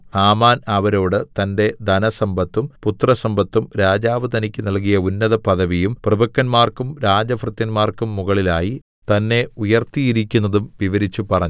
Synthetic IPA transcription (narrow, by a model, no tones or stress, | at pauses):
haːmaːnɐʋɐɾo̞ːɽɨt̪ɐnde̞d̪ɐnɐsɐmbɐt̪ːumput̪rɐsɐmbɐt̪ːumɾaːd͡ʑaːʋɐd̪ɐnikʲːɨnɐlk̬ijɐunːɐðɐpɐðɐʋijumprɨbɐkːɐnmaːrkumɾaːd͡ʑɐfrɨt̪jɐnmaːrkumːuɣɐɭilaːji | t̪ɐnːe̞ujɐrt̪ijiɾikʲːunːɐðumʋiʋɐɾit͡ɕːupɐrɐɲː